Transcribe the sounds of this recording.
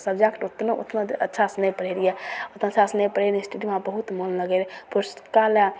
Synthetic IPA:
səbd͡ʒakʈot̪noo̰t̪noətːʃʰasnəjpəɽeɾijɛot̪naət͡ʃʰasnəjpəɾeɾsʈiɖiʋɦãbəɦut̪molləɡelpuɾskala

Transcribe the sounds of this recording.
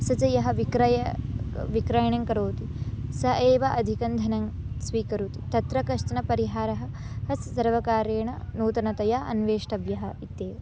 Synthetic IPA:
sɐd͡ʒɐjɐɦɐʋikɾɐjɐʋikɾajɐɳɐŋkɐɾoːt̪isɐʔeːʋɐʔɐd̪ʱikɐnd̪ʱɐnɐŋ | sʋiːkɐɾut̪i̥t̪ɐt̪ɾɐkɐʃʈ̪ɐnɐpɐɾiɦaːɾɐɦɐ | hɐsːɐɾʋɐkaːɾeːɳɐnuːt̪ɐnɐt̪ɐjaːʔɐ̰nʋeːʂʈɐʋjɐɦɐit̪eː

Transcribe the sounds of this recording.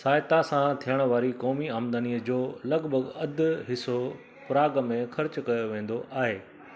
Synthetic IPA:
saːɪt̪asãt̪ʰijəɽ̃ʋaːɾikɔːmiaːmd̪aniːəd͡ʑoːlɐɡbʱəɡɐd̪ʱɦɪso | pɾaːɡmẽxɐɾt͡ɕkɐjoʋẽːn̆d̪oʔaːɦeː

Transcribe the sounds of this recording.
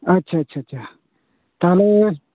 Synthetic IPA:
ɐtːʃʰaːɐtːɕʰaːɐtːʃʰa | t̪aːle

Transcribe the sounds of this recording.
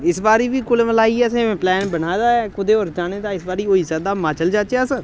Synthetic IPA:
ɪsbaːɾiːʋiːkʊleməlaːiːɛːsẽːẽːplɛːnbənaːd̪aːɛːkʊd̪eːoːɾd͡ʒaːneːd̪aːɪsbaːɾiːoːiːsɛːd̪aːmãːt͡ʃəld͡ʒaːt͡ʃaːsəɾ

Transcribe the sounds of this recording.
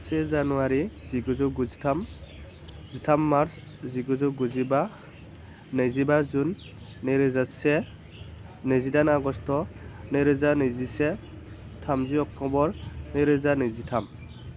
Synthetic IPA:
sɛzanuwaɾiz̥iɡuzɔɡuzitʰam | zitʰamːaɾs | ziɡuzɔɡuziba | nezibazunː | eɾɯzasɛ | nezidanaɡɔstɔneɾɯzanizisɛ | tʰamziɔk̚tɔbɔɹneɾɯzanezitʰam

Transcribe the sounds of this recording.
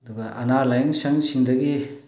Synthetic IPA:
ɐd̪uɡɐʔanalajɯŋsɐŋsiŋdɐɡi

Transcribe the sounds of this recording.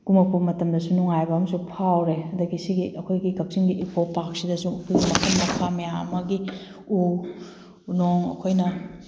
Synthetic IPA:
ɡ̥umɐpʰumɐtɐmdɐsunuŋajbɐɐmsupʰawɾeɐdɐɡisiɡiʔɐkʰojɡikɐp̚siŋɡiʔipʰopak̚sidɐsupimɐkʰɐnmɐkʰamijaɐmɐɡi | u | unoŋɐ̰kʰojnɐ

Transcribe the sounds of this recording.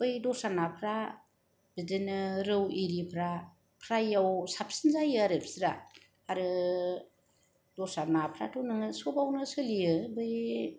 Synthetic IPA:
b̥ɯjdɔsanapʰɾa | bidɯnɯɾɯwiɾipʰɾa | pʰɾajawsapʰsinzajɯaɾɯpʰsiɾaː | ɾɯ | dɔsanapʰɾa̰tʰonɯŋɯsobawnɯsɯlijɯbɯj

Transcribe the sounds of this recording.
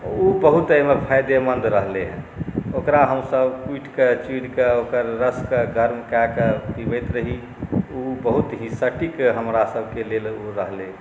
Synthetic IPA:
ubəɦut̪əmepʰajd̪emənd̪ɾəɦleɦɛ̰̃okɾaɦəmsəbkuiʈket͡ʃiɽkeokəɾːəskeɡəɾmkaket̪ibet̪ɾəɦi | ubəɦut̪ɦĩsəʈikɦəmɾasəbʱkeleloɾəɦlẽ

